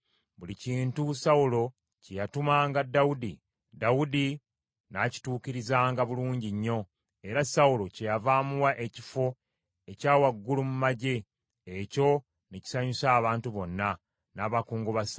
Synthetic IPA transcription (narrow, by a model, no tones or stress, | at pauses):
βuliciːntusawulo̞ | cejatumaːŋɡadːawudi | dawudi | naːci̥tuːkiɾizaːŋɡaβuluːɲɟiɲːo̞ | e̞ɾasawulo̞ce̞javaːmuwaʔe̞cifo̞ | e̞caːwaɡːulumumaɟe̞ | eco̞ | neci̥saɲusaːβaːntuβo̞nːa | naːβakuːŋɡuβas